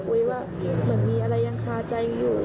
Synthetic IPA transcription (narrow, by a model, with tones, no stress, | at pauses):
kʰu˧jwaː˥˩ | mɯ˩˦ənmiː˧ʔa˧ɾa˧jːa˧ŋkʰaː˧˩t͡ɕa˧jjuː˨˩